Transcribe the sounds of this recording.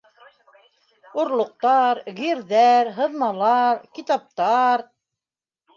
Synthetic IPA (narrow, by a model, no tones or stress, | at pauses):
uɾlˠŏq̚t̪ɑɾɣiɾðæɾɦɤ̆ðmɑlˠɑɾkit̪ɑp̚t̪ɑɾ